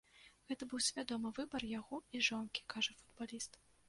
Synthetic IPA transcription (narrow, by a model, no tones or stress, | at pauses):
ɣɛt̪ɐbɨwsʲvʲad̪ɔmɨvɨbɐrjaɣɔiʐɔnkʲi̥kʰaʐɐfud̪balʲist̪